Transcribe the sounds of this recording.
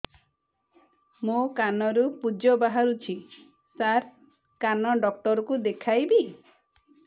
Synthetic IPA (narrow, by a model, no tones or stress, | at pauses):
mokanɔɾupud͡ʒɔbaɦaɾut͡ʃʰi | saɾ | kanɔɖɔk̚ʈɔɾɔkud̪ekʰajbi